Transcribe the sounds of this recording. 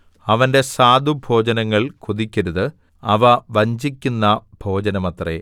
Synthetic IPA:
ɐʋɐnde̞saːd̪ubʱo̞ːd͡ʑɐnɐŋːɐɭkʰuðikʲːɐɾuðɨ | ɐʋɐʋɐɲd͡ʑikʲːunːɐbʱo̞ːd͡ʑɐnɐmɐt̪rḛ

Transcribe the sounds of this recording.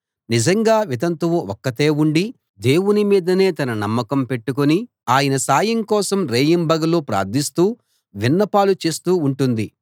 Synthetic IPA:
nid͡ʒɐŋɡaːʋit̪ɐnt̪uʋuɔkːɐt̪e̞ːuɳɖi | d̪e̞ːwunimiːd̪ɐne̞ːt̪ɐnɐnɐmːɐkɐmpe̞ʈːukoni | aːjɐnɐsaːjɐŋkɔːsɐmɾeːjimbɐɡɐloːpɾa̰ːɾd̪ʱist̪uː | ʋinːɐpaːlut͡ʃe̞ːst̪uːuɳʈund̪i

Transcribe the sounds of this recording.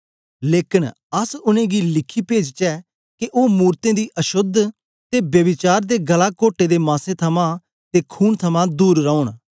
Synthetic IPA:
leːkɪn | əsʊnẽːɡilɪkʰːiːpeːd͡ʒt͡ʃɛː | keʔoːmuːɾt̪ẽːd̪iːʔəʃʊd̪ʱ | t̪eːbjəʋɪt͡ʃaːɾd̪eːɡəlaːkoːʈeːd̪eːmãːsẽːt̪ʰəmãː | t̪eːkʰuːnt̪ʰəmãːd̪uːɾːɔ̃ːʊɳ

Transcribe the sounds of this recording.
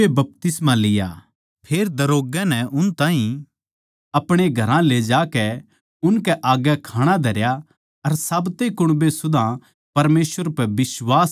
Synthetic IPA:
ebɐp̚t̪ɪsmãlɪja̰ː | pʰeːɾd̪ɐɾoːɡɛnɛʊnt̪ãːɦĩ | ɐpɽ̃eɡʱɐɾãled͡ʒaːkɛ | ʊnkɛʔaːɡɛkʰaːɽ̃ad̪ʱɐɾja | ɐɾsaːbt̪ekʊɽ̃besʊd̪ʱã | pɐɾmeːsʋəɾpɛbɪswaːs

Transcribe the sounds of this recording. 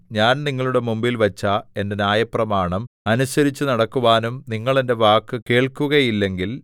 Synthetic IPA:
ɲaːnniŋːɐɭuɽe̞mumbilʋɐt͡ɕːɐe̞nde̞naːjɐprɐmaːɳɐmɐnusɐɾit͡ɕːunɐɽɐkːuʋaːnumniŋːɐɭe̞nde̞ʋaːkːɨke̞ːɭkːuɣɐjilːe̞ŋɡil

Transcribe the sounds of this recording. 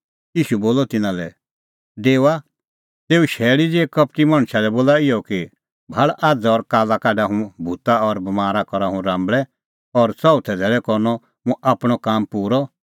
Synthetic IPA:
jiːʃuboːlɔt̪ɪnãlɛ̰ | d̪eːʋa | t̪eːuʃɛːɭid͡zeːkɐp̚ʈimɐ̃ɽ̃ʃalɛboːlaɪjɔki | bʱɐɭaːd͡zɔɾkaːlakaːɖaɦũbʱut̪aɔɾbɐmaːɾakɔɾaɦũɾãːmbɭɛ | ɔɾt͡sɔut̪ʰɛd̪ʱɛːɭɛkɔɾnɔ | mũʔaːpɽ̃ɔkaːmpuːɾɔ

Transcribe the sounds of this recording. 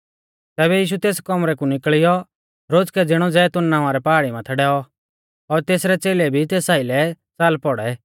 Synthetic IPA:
t̪ɛːbɛjiːʃ̬ut̪eːskɔmɾɛkũnɪkɭɪjɔ | ɾoːd͡zkɛd͡zɪɽ̃ɔd͡zɛt̪ʊnnːãːʋ̃aɾɛpaaːɽimãt̪ʰɛɖɛːɔ | ɔɾt̪eːsɾɛt͡seːlɛbʱit̪eːsaːɪilɛ | t͡saːlpɔɽɛ

